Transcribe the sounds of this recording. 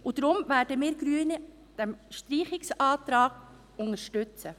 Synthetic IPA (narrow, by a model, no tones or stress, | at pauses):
ʔʊd̥ɾʊmvæːɾdəmɪːɾɡ̥ɾyːənə | d̥ɛmʃtɾiːχɪksɑːtɾɑːɡ̥ | ʊŋəʃtʏt͡sə